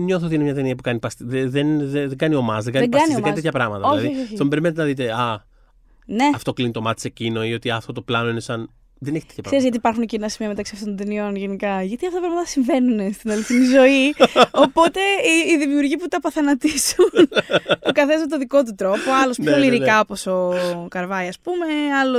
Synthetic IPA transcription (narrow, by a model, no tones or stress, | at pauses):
ɲoθoot̪inemɲɐt̪eniɐpukɐnipɐst̪ðeðenðeðeɡɐnio̞mɐzðeɡɐiðeɡɐnnioɐnt̪eçɐpɾɐmɐt̪ɐoɐðiost̪ombe̞ɾimenet̪enɐðit̪eɐ | ne̞ɐft̪o̞klinit̪o̞mɐt̪i̥secino̞io̞t̪iɐft̪o̞t̪oplɐno̞inesɐn | ðeneçit̪et̪çɐpsɾeɾizɣɐt̪ipɐɾxuncinɐsimiɐmet̪ɐksiɐft̪onot̪enio̞nʝenikɐʝɐt̪iɐftot̪ɐpɾɐmɐt̪ɐsiɱve̞nunest̪inɐliθinizo̞io̞po̞t̪e̞ːðimiuɾʝiput̪ɐpɐθɐnɐt̪isu | p̪kɐθezmet̪oðiko̞t̪̬ut̪ɾo̞poɐlo̞spoliɾikɐopo̞so̞kɐɾvɐjɐspumeɐlo